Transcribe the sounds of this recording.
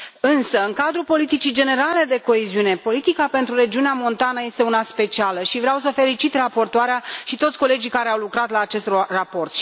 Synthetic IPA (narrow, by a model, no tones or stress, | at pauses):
ɨnsəɨŋkad̪ɾupo̞lit̪it͡ʃid͡ʒe̞ne̞ɾale̞d̪e̞ko̞eziune̞po̞lit̪ikape̞nt̪ɾuɾe̞d͡ʒiuneamo̞nt̪anəje̞st̪eunaspe̞t͡ʃialəʃivɾeawsəfe̞lit͡ʃit̪rapo̞rt̪oaɾeaʃit̪o̞t̪sʲko̞le̞d͡ʒikaɾe̞awlukɾat̪laːt͡ʃe̞st̪rrapo̞rt̪